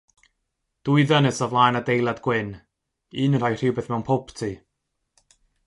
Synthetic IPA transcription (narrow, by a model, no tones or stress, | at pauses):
d̥uɨðənɨsɔvlˠaːnadejlˠadɡwɪn | ɨːnr̥ajr̥ɪwbeːθmɛwnpʰɔwptʰi